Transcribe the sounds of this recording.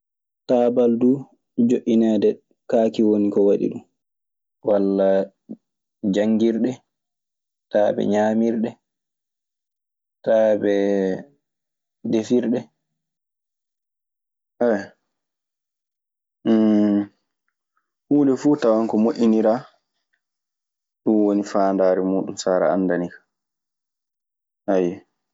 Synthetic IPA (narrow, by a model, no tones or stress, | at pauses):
taːbaldu | d͡ʒoʔːinɛːdɛ | kaːkiwonikɔwaɗḭɗum | walːa | d͡ʒaŋɡiɾɗɛ | taːbɛ̰ɲaːmiɾɗɛ | taːbɛ | defiɾɗɛ | ʔɛ | huːndɛfuːtawaŋkɔmoʔiniɾa | ɗunwonifaːndaːɾɛmuːɗumsaːɾa̰anːdanikḁ | ʔajɛ